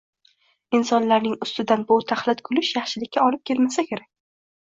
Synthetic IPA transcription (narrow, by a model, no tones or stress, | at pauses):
ɪnsɒnlaɾnɪŋʊst̪ɪd̪anbʊt̪ʰaχlˠɪt̪kʰʊlɪʃjɑχʃɪlɪkʲːaɒlɪp̚kʲe̞lmasakʲʰe̞ɾak̚ʲ